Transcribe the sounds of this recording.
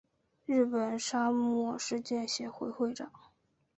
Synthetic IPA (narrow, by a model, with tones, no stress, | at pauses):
ɻɻ̩˥˩pə˨˩nʂa˥mwɔ˥˧ʂɻ̩˥˧t͡ɕjɛ˥˩nɕjɛ˧˥xwe˧˥ɪxwe˥˩ɪʈ͡ʂɑ˨˩˦ŋ